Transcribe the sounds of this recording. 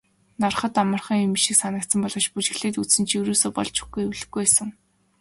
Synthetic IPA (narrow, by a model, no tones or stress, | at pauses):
narχə̆t̪amə̆rχə̆ŋimiʃĭksanə̆k̚t̪sə̆mpɔɮɞ̆t͡ɕput͡ɕɪ̆ɣɮeːt̪ut͡ssɘ̆nt͡ɕʰiwɾuːsoːpɔ̰ɮt͡ɕʰu̥xɡɡujuwɮɘ̆ɡujæːsə̆ŋ